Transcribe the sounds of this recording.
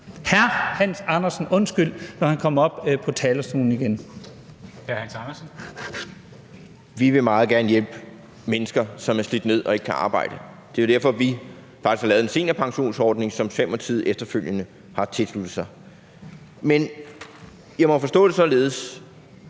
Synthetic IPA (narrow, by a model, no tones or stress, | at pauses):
hæɐhæn̰sɑ̈nɐsn̩ɔ̽nsɡ̥yl̰nɒhænkʰɒ̽m̰ɒ̽b̥pʰɒ̽t͡sʰɛːlɐsd̥ṵːn̩iɡ̥en | hæhænsnɐs | ʋiʋe̝mɑ̈ːð̩ˠɡ̥æɐnəjel̰b̥ | menəsɡ̥ɐsɒ̽mæɐslid̥ne̝ð̞̰ˠɒ̽e̝ɡ̥ə̥kʰæʔɑ̈ːb̥ɑ̈ɪ̰dɾ̥ə | d̥e̝æʊdæɐ̰fɒ̽ʋi | fɑ̈ɡ̥isɡ̥hɑlɛːʊð̩ˠense̝̰ːnɐpʰɑ̈ŋɕo̝̰ːnsɒːd̥ne̝ŋsɒ̽mfem̰ɒt͡sʰið̞̰ˠefd̥ɐføl̰jənə | hɑ̈t͡sʰe̝lslud̥ð̩ˠsɑ̈ɪ | men | jɑ̈ɪmɒ̽fɒ̽sd̥ɔ̰̽ːɾe̝sɒ̽le̝ːð̞̩ˠəs